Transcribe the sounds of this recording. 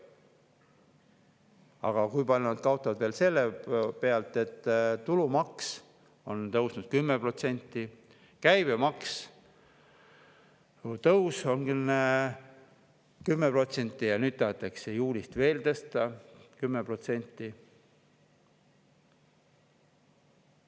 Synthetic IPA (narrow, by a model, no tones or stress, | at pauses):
ɑ̰ɡ̥ɑkujpɑlʲnɑd̪̚kɑwt̪ːˑɑvɑd̪veːlse̞lːepe̞ɑlt̪ːˑe̞t̪ːt̪ːulumɑks | o̞nt̪ɤwsnud̪̥̚kymːepro̞t̪se̞nʲt̪ːˑi | kæjbemɑks | t̪ɤwso̞nɡyne | kymːepro̞t̪se̞nʲt̪ˑːijɑnyːd̪ːɑɦɑt̪ːˑɑksejuːlʲist̪ve̞ːlt̪ɤst̪ɑkymːepro̞t̪se̞nʲt̪ːˑi